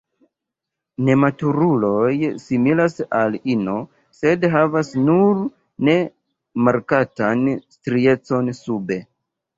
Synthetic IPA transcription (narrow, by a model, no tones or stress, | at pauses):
ne̞matuɾulo̞jsimilasalino̞ | se̞dɦavasnuɾ | ne̞ | maɾkatanstɾie̞t͡so̞nsube̞